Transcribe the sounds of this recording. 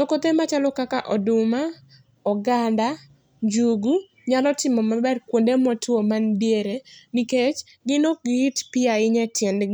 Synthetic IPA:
tokot̪emat͡ʃalɔkakaʔɔdʊma | ɔɡanda | d͡ʒuɡu | ɲalɔtɪmɔmabɛrkwondemɔtomandjeɾeniket͡ʃ | ɡɪnoɡɪtpɪaɪɲɛtjɛnd

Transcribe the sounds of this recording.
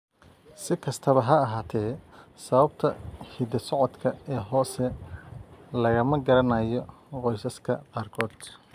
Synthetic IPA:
sɪkʰɐst̪ʰɐβɐɦɐːɦaːt̪ʰɛːsɐβɐb̚t̪ʰɐhiːd̪ɐsɔʕɔd̪kʰɐɛːɦɔːsɛ | lɐɣɐmɐɡɐɾɐnɐjɔ | qɔjsɐskʰɐqɑːrkʰɔːd̪̥

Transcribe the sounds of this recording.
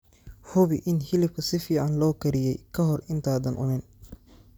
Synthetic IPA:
hʊβɪʔɪnhɪlɪb̚kʰɐsɪfiːʕɑnlɔːkʰɐɾɪjɛjkʰɐɦɔrɪnt̪ʰaːðɐnʔʊ̰nɪn

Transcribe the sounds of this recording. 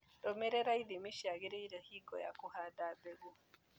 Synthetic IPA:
ɗɔmɛɾeɾajdimiʃiaɡɪɾejɾahiɡɔ̰ja̰kuhadaːbɛɡo

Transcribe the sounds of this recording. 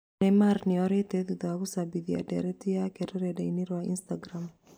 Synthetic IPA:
emaɾniɔɾeteðuðaɣusabiðia̰dḛɾetijakeɾeɾedeiniɾwaḭnstaɡɾam

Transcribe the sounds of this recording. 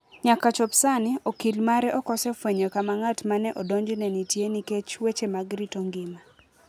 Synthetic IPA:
ɲakat͡ʃɔpsanɪokilmaɾɛʔɔkɔsɛfweɲɔkamaŋatmanɛʔɔdɔɲd͡ʒnɛnitjeniket͡ʃwet͡ʃemaɡɾitɔŋɡɪma

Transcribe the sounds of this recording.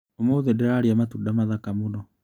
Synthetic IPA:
omoðɛdeɾaɾiamatudamaðakamonɔ

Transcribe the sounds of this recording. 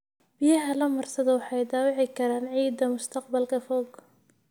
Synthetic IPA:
b̥ɪjɐɦɐlɐmɐrsɐðɐwɑħɑjd̪aːwɪʕɪkʰɐɾaːnʕiːd̪ːɐmʊst̪ʰɐq̚bɐlkʰɐfɔːɡʰ

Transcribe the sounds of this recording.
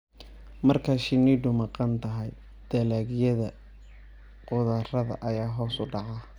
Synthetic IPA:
mɐrkʰɐʃɪniɖʊmɑqɑnt̪ʰɐɦɛj | d̪̥ɐlaːɡjɐðɐ | qʊðɐrɐðɐ̰ʔɐjaːɦɔːsʊɖɑʕɑ

